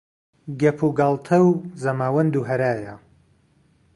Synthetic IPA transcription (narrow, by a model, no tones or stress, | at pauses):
ɡɐpʰuɡɑlˠt̪ʰɐwzɐmaːwɐnd̪uɦɐɾaːjɐ